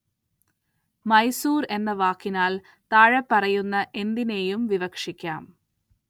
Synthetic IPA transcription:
mɐjsuːre̞nːɐʋaːkːinaːl | t̪aːɻɐpːɐrɐjunːɐʔe̞nd̪ine̞ːjumʋiʋɐkʂikʲːa̰ːm

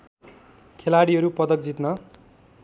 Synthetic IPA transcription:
kʰelaɽiɦʌɾupʌd̪ʌk̚d͡zit̪nʌ

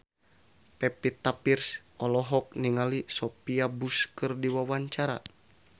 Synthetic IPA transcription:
pɛpit̪apirsʔɔlɔɦɔk̚niŋalisopiabuskɨrdiwawaɲt͡ʃaɾa̰

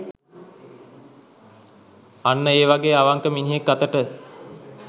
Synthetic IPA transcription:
anːəeːʋaɡeːaʋaŋkəminiɦekːat̪əʈə

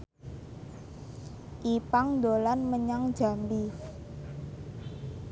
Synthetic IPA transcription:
ʔipaŋd̪olanməɲaŋ̥d͡ʒ̥a̤mbi

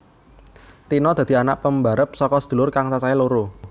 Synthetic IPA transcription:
t̪inɔd̪̥ä̤d̪̥i̤anaʔpəmba̤ɾəp̚sɔkɔsə̥d̪̥ṳlʊrkaŋsasailoɾo

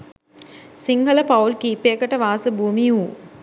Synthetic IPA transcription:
siŋɡʱələpaulkiːpeːkəʈəʋaːsəbʱuːmiuː

